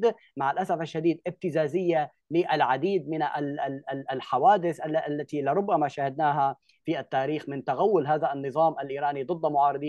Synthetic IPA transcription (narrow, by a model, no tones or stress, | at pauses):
d̪ | maʕalʔasafaʃːad̪iːd̪ʔɪb̚t̪ɪzaːzɪjːa | lɪʔalʕad̪iːd̪̚mɪnʔa | lħawaːd̪ɪθʔalːʔlːat̪ilɪɾˤʊbːamaʃaːhɪd̪naːɦa | fiʔat̪ːaːɾiːxmɪnt̪aɣawːʊlɦaːðaʔanːɨðˤɑːmʔalʔiːɾaːnid̪ˤɨd̪ˤːmʊʕɑːɾˤɨd̪ˤiː